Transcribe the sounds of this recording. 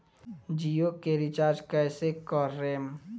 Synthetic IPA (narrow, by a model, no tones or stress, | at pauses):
d͡ʒijokeɾit͡ʃaːɾd͡ʒkɛsekɔɾːem